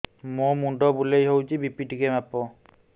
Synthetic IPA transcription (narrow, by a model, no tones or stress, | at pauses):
momundɔbulejɦowd͡ʒibipidikɛmapɔ